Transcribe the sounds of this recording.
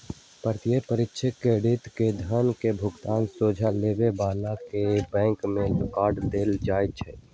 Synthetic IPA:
pəɾt̪ɪjəpəɾɪtːʃʰəkeːɽɪt̪ked̪ʱənkebʱʊɡt̪aːnsoːd͡ʒʱaleːbebaːlakebɛ̃ːŋkmẽlɪkaːɾɖd̪eːld͡ʒaːjt͡ʃʰɛ

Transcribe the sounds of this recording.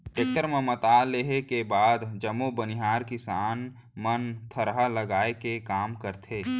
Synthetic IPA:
ʈeːk̚ʈəɾmẽmət̪aːleɦekebaːd̪d͡ʒəmobənɪɦaːɾkɪsaːn | mənt̪ʰəɾɦaləɡaːekekaːmkəɾt̪ʰeː

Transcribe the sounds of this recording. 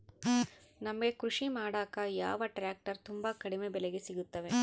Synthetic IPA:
nɐmɐɡe̞kɾuʂimaːɽaːkɐja̰ːʋɐʈɾaːk̚ʈɐɾt̪umbɐkɐɽimebɛleɡesiɡut̪ːɐʋe̞

